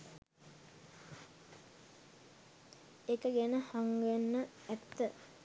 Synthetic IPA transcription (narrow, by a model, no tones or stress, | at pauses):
ekəɡɛnəhaŋɡʋenːə | æt̪ːə